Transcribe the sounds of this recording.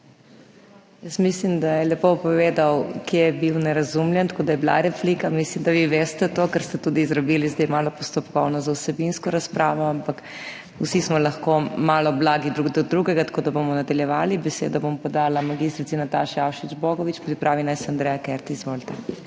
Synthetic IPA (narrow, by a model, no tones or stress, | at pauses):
jəsmislimd̪ajɛlɛpopɔʋeːd̪awkjejɛbiwnɛɾazumljɛnt̪akoːd̪ajɛbla̰ɾɛflikamislimd̪aʋiʋeːst̪ɛt̪okəɾst̪ɛt̪ud̪iːzɾɐbilizd̪ejmaːlɔpɔst̪ɔpkɔwnɔzausɛbinskɔɾaspɾaːʋɔampak | usismɔlɐxkomaːlɔblaɡid̪ɾud̪ɔd̪ɾuɡɛɡat̪ḁkoːd̪abomɔnad̪ɐljɛʋaːlibɛsḛd̪ɔbompɔd̪aːlamaɡist̪ɾit̪inat̪aʃjawʃid͡ʒboɡɔʋit͡ʃpɾipɾʔaːʋinajsand̪ɾɛjakɛɾt̪izʋolt̪ɛ